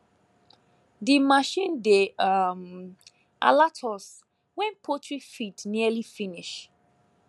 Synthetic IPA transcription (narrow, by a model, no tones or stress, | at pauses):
dimaʃĩndeam | ʔa̰latʰɔs | wɛ̃npʰotɹifitniəlifiniʃ